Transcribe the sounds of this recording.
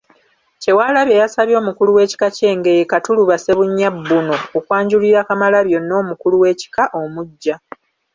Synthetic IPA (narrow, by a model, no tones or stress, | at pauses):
ce̞waːlaβje̞jasaβjo̞ːmukuluwe̞ːci̥kace̞ːŋɡe̞jekatuluβase̞βuɲːabːunoːkwaːɲɟuliɾakamalaβjo̞nːo̞ːmukuluwe̞ːci̥kaʔo̞muɟːa